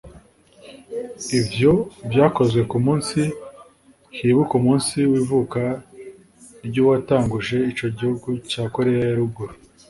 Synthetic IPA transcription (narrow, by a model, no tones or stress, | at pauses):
ivjo̞bjaːko̞zwe̞kumuːnsi | hiβukumuːnsiwiːvuka | ɾɟuːwataːŋɡuʒe̞it͡ʃo̞ɟihuɡucaːko̞ɾe̞jajaɾuɡuɾu